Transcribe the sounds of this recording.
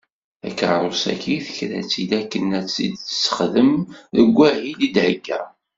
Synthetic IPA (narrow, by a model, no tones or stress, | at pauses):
æ̰kːʕaɾˤosæ̰kiθəçɾæ̰t͡sːid̪ækːənæt͡sːid̪t͡ssːə̥χðəmðəɡʷːæhilid̪ʕəɡːæ̰